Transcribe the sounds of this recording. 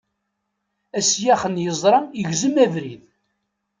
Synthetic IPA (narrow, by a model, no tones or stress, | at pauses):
æsjæχənjəzˤɾˤɑjəʝzəmævɾið